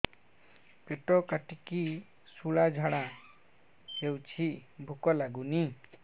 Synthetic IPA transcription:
peʈɔkaʈiki | suɭad͡ʒʱaɽa | ewt͡ʃʰibʱukɔlaɡuni

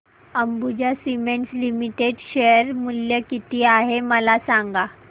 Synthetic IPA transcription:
əmbud͡ʑjasimeɳʈslimiʈeɖɕejəɾmuljəkit̪iːaɦeməlasaŋɡa

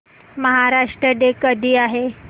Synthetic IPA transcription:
məɦaɾaʂʈɾəɖekəd̪ʱiːaɦe

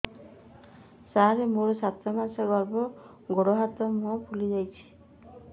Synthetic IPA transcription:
saɾemoɾɔsat̪ɾɔmansɔɡɔɾbɔ | ɡoɽɔɦat̪ɔmɔpʰulid͡ʒajt͡ʃʰi̥

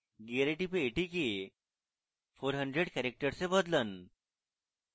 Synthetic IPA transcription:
ɡiaɾeʈipeːʈike | fʰoːɾɦə̃ɳɖɾeɖkɛɾek̚ʈəɾsebəd̪lən

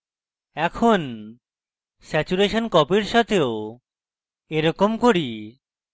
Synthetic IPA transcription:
ɛkʰon | sɛt͡ɕuɾeʃonkɔpiɾʃat̪ʰeo | eɾɔkomkoɾi

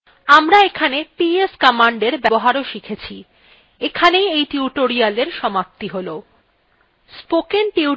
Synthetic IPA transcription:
amɾaekʰanepieskɔmaɳɖeɾbɛboɦaɾoʃikʰet͡ɕʰi | ekʰanejejʈiuʈoɾialeɾʃɔmap̚t̪iɦolo | spokenʈiu

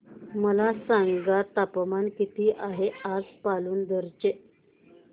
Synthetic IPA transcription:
məlasaŋɡat̪apəmankit̪iːʔaɦead͡zpaluːnd̪əɾt͡ɕe

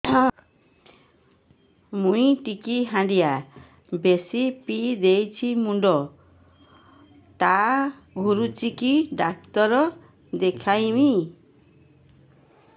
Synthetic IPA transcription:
mũĩʈikiɦãɳɖija | besipid̪ejt͡ʃʰimuɳɖɔ | t̪a | ɡʱuɾut͡ʃikiɖak̚t̪ɔɾɔ | d̪ekʰajmi

